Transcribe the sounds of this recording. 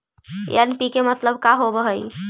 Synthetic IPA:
jənpikemət̪ləb̚kaɦobəɦəj

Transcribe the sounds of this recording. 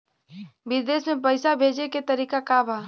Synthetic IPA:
ʋɪd̪eːsmẽp̬əɪsabʱeːd͡ʒeket̪ɐɾiːkakaːbaː

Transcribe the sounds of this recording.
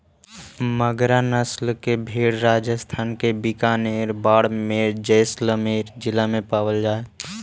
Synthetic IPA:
məɡɾanəslkebʱeːɽɾaːd͡ʒəst̪ʰaːnkebɪkaːneɾbaːɽmeɾd͡ʒəɪsləmeɾd͡ʒɪlamẽpaːwəld͡ʒaːe

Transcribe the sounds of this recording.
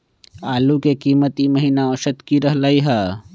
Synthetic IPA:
aːlukekiːmət̪imɐɦiːnaoːʃət̪kiɾɐɦlaːiɦɛː

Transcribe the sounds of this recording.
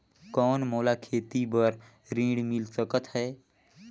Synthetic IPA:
kɔːnmoːlakʰeːt̪ibəɾ | ɾĩːɽmɪlsəkət̪ɦɛː

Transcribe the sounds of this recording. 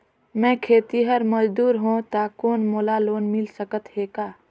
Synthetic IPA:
mɛ̃ːkʰeːt̪iɦəɾməd͡ʒd̪uːɾɦõt̪aːkoːnmoːlaloːnmɪlsəkət̪heːkaː

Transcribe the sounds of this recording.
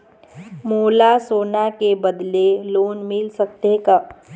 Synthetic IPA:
moːlasoːnakebəd̪leloːnmilsək̚t̪eka

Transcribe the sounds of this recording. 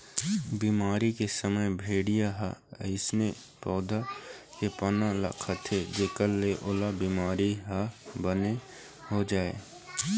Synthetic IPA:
biːmaːɾikesəməjbʱeːɽijaɦa̰ə̰ɪsne | pɔːd̪ʱa | kepənalɐ̰kʰət̪ʰed͡ʒeːkəlːeʔʊlabiːmaːɾiɦabəne | ɦod͡ʒaːḛ

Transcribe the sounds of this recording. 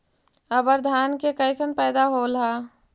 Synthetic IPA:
əbəɾd̪ʱaːnkekəɪsənpɛːd̪aɦolɦaː

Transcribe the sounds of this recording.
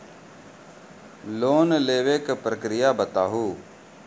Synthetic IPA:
loːnleːʋeːkpɾəkɾɪjaːbət̪aːɦuː

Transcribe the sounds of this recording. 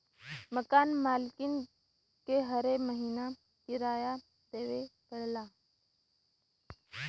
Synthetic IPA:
məkaːnmaːlkɪn | keɦɐɾeməɦiːna | kɪɾaːja | d̪eːʋepəɽlaː

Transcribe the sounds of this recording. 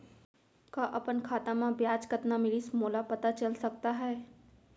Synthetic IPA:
kaʔɐpənkʰaːt̪ãmãbjaːd͡ʒkət̪namɪlismoːlapɐt̪at͡ʃɐlsɐk̚t̪aɦɛː

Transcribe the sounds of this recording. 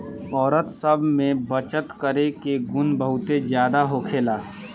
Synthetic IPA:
ɔːɾət̪səbʱmẽbət͡ʃət̪kəɾekeɡʊnbəɦʊt̪ed͡ʒjaːd̪aɦokʰeːlaː

